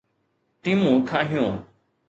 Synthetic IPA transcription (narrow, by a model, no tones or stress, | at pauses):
ʈiːmũːk̪ʰãːɦɪjõː